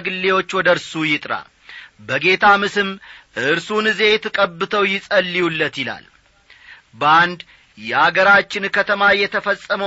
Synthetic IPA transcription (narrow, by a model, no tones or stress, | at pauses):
ɡɨlːe̞wo̞t͡ʃːwɔd̪əɾsujɪt̪ʼɾa̰ | bəɡe̞t̪ʰamɨsɨmʔɨɨɾsunɨze̞t̪ʰɨkʼəbːɨt̪ʰəwjɪsʼəlːiulːət̪jɪla̰l | bəand̪ | jɛʔaɡəɾat͡ʃːɪnkʰət̪ʰəmajɛt̪ʰəfəsʼːəmə